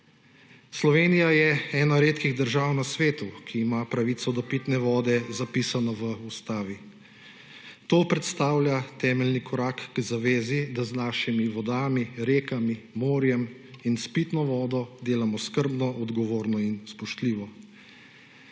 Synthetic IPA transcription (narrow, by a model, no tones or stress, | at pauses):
slɔʋeːnijajɛɛːnaɾeːt̪kiɣd̪əɾʒaːwnasʋeːt̪ukʰiːmapɾaʋit̪sɔd̪ɔpit̪nɛʋɔːd̪ɛzapiːsanɔʋəust̪aːʋi | t̪oːpɾɛt̪st̪aːwlʲjat̪ɛːmɛlnikʰɔɾaːkːzaʋeːzid̪aznaːʃimiʋɔd̪aːmiɾeːkamimoːɾjɛminspit̪nɔʋɔːd̪ɔd̪eːlamɔskəɾbnɔʔɔd̪ɡɔʋoːɾnɔinspɔʃt̪liːʋɔ